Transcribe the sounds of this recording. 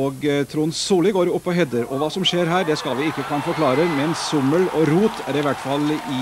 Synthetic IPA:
oɡt̪ʰɾuːnsuːlɪɡoːɾʊpːɔɦɛd̪əɾɔʋɑːsɔmʃeːɾɦæːɖ̪ɛskɑlʋɪɪkːəkʰɑnəfɔɾkʰlɑːɾəmɛnsʊmːəlɔɾuːt̪ʰæɾɪʋæʈfɑlːɪ

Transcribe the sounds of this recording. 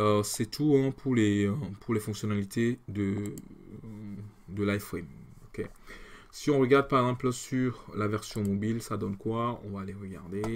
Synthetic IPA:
øsɛt̪ʰuɛ̃pʰuʁlepʰuʁlefɔ̃ksjɔnalit̪ʰed̪ə | d̪əlaɛfwɛm | ɔkʲesiɔ̃ʁəɡaʁd̪̚paʁɛɡzɑ̃pləsyʁlavɛʁsjɔ̃mɔbilsad̪ɔnkwaɔ̰̃valeʁəɡa̰ʁd̪e

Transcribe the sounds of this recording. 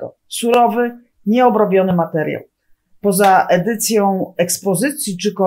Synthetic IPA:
ɔ̰ | suɾɔvɘ | ɲɛɔbɾɔbʲjɔnɘmat̪ɛɾja̰ | pɔzaʔɛd̪ɘt̪sʲjɔ̃w̃ɛkspɔzɘt̪sʲjit͡ʂɘkɔ

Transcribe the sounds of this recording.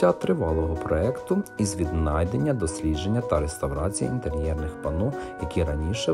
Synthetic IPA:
at̪ɾɪʋɑlˠɔɦɔpɾɔɛkt̪ʊizʋʲid̪nɑjd̪e̞nʲːɐd̪ɔsʲlʲidd͡ʒe̞nʲːɐt̪ɐɾest̪ɐwɾɑt͡sʲijɐ̰ḭnt̪eɾʲjɛrnɪxpɐnɔjɐkʲiɾɐnʲiʃɛ

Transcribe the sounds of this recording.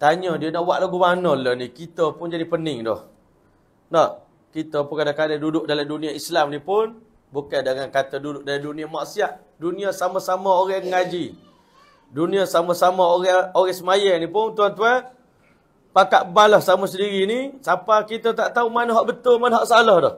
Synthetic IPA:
t̪aɲədiənaʔwaʔlaɡumanɔlənikit̪əpʊnd͡ʒadipənɪŋdɔ̰h | nɔʔ | kit̪əpʊnkadakadadudʊʔ̚dalamduniaislamnipʊn | bukandaŋankat̪ədudʊʔ̚dalamdunĩamaʔsiaʔ | duniasamasamaoɾɛhŋad͡ʒi | duniasamasamaoɣɛoɣɛhsəmajanipʊnt̪uant̪ua | pakaʔbalahsamasədiɾinisapakit̪ət̪aʔt̪aumanəɦɔʔbət̪ʊlmanɦɔʔsalɔhdɔh

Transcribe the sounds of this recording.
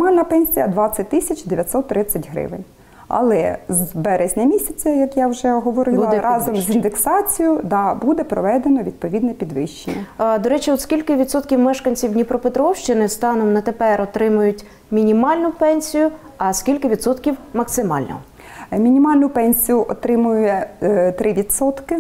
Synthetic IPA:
mɑlʲnɐpɛnʲsʲijɐd̪ʋɑt͡sʲːɐt̚ʲt̪ɪsʲɐt͡ʃd̪eʋʲjɐt̪ʲsɔt̪ːɾɪt͡sʲːɐtʲɦɾɪ̰ʋɪ̰nʲ | ɐ̰lˠɛzbɛɾezʲnʲɐmʲisʲɐt͡sʲɐjɐkjawʒɛɦɔʋɔɾɪbuɾɑzɔmzʲind̪eksɑt͡sʲijʊd̪ɑbud̪ɛpɾɔʋɛd̪enɔʋʲid̪̚pɔʋʲid̪nɛpʲid̪ʋɪʃt͡ʃenʲːɐd̪ɔɾɛt͡ʃiɔt̪skʲilʲkɪʋʲid̪sɔt̪kʲiwmɛʃkɐnʲt͡sʲiwnʲipɾɔpet̪ɾɔwʃt͡ʃɪnɪst̪ɑnɔmnɐt̪epɛɾɔt̪ɾɪmʊjʊtʲ | mʲinʲimɑlʲnʊpɛnʲsʲijʊ | ɐskʲilʲkɪʋʲid̪sɔt̪kʲiwmɐksɪmɑlʲnɔ̰ɦɔ | mʲinʲimɑlʲnʊpɛnʲsʲijʊʔɔt̪ɾɪmʊjʊjɛt̪ɾʔɪʋʲid̪sɔt̪kɪ

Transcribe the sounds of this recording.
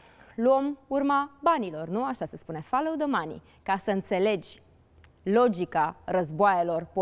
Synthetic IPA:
luomurmabanilo̞rnuaʃase̞spune̞faləwd̪omanḭ | kasəɨnt̪se̞le̞d͡ʒʲ | lo̞d͡ʒikarəzboajelo̞rpo

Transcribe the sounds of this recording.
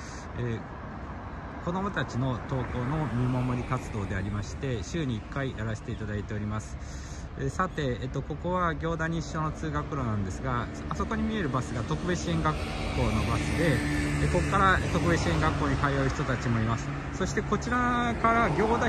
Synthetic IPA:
eː | ko̞d̪o̞mo̞t̪at͡ɕino̞t̪o̞ːko̞ːno̞mʲimomo̞ɾʲikat͡sɨd̪o̞ːd̪e̞aɾʲimaɕi̥t̪e̞ɕɨːɲ̟iːkːaijaɾaɕi̥t̪e̞it̪ad̪ait̪e̞o̞ɾʲimasɨ̥ | esat̪e̞ːt̪ːoko̞ko̞βaɡʲo̞ːd̪aɲ̟iɕːo̞ːno̞t͡sɨːɡakɯ̟ɾo̞ːnãnd̪e̞sɨɡa | asoko̞ɲ̟imʲie̞ɾɯ̟basɨɡat̪o̞kɯ̟be̞t͡ɕiẽ̞ŋɡakːo̞ːno̞basɨd̪e̞ko̞kːaɾat̪o̞kɯ̟be̞t͡ɕiẽ̞ŋɡakːo̞ːɲ̟ikajaɯ̟çi̥t̪o̞t̪at͡ɕimo̞imasɨ̥ | so̞ɕi̥t̪e̞ko̞t͡ɕiɾakaɾaɡʲo̞ːd̪a

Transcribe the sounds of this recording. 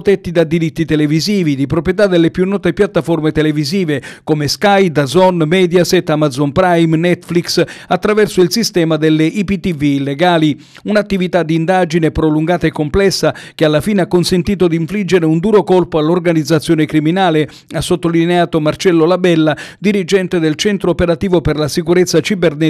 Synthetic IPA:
t̪ɛt̪ːid̪ad̪iɾit̪ːit̪eleviziːvid̪ipɾopɾjet̪̬ad̪elːepjunːɔːt̪epjat̪ːaformet̪eleviziːvekomeskajd̪azɔnmɛːd̪jasɛt̪ːamad̪zɔnpɾajmnɛt̪ːfliksat̪ːɾavɛrsoilsist̪ɛːmad̪elːeɪʔipit̪ːiviːlːeɡaːli | unat̪ːivit̪ad̪iːnd̪ad͡ʒinepɾoluŋɡaːt̪aekːomplɛsːak̟ealːafiːneakːonsent̪iːt̪od̪iɱflid͡ʒːeɾeund̪uːɾokolpoalːorɡanid̪zːat̪sːjoːnekɾiminaːle | asːot̪ːolineaːt̪omart͡ʃɛlːolabɛlːad̪iɾid͡ʒɛnt̪ed̪elt͡ʃɛnt̪ɾoːpeɾat̪iːvoperlasikuɾet̪sːat͡ʃibernɛ

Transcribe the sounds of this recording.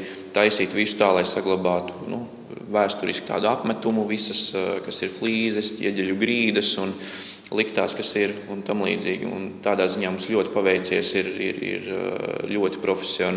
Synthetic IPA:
t̪ajsiːt̪ʋisu̥t̪aːlˠajsaɡlˠabaːt̪u̥nṵ | væːst̪uɾḭskʲt̪a̰ːd̪uapmæt̪umuʋisɐskasiɾflˠiːzɛscʲḭɛɟʲɛʎʲuɡɾiːd̪ɐsun | lˠikt̪aːskasiɾunt̪amlˠḭːd̪zḭːɡ̰ʲṵnt̪aːd̪aːziɲaːmumslʲuɔt̪i̥paʋɛjt̪siɛsiɾḭɾḭɾʎʲuɔt̪i̥pɾɔfʲe̥siɔn

